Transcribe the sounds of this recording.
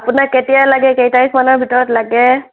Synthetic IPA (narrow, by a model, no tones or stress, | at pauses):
apʊnaketijalaɡɛkejtaɹismanɔɹbʱitɔɹɔtlaɡɛ